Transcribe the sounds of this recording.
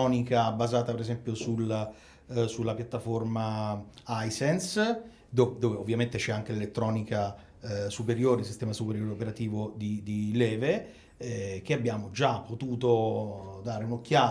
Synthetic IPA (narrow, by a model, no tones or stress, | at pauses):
ɔːnikabazaːt̪apeɾezɛmpjosula | sulːapjat̪ːaformaajsɛns | d̪od̪oːveovːjament̪et͡ʃɛaŋk̟elelet̪ːɾɔːnika | supeɾjoːɾeis̬ist̪ɛːmasupeɾjoːɾeopeɾat̪iːvod̪id̪ilɛːve | k̟eabjaːmod͡ʒapːot̪uːt̪od̪aːɾeunokːjaː